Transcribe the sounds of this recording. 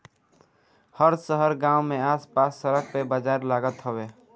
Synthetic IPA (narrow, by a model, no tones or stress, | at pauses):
həɾsəɦəɾɡãːwmẽaːspaːsːəɾək̚ʰpebad͡ʒaːɾlaːɡət̪ɦoweː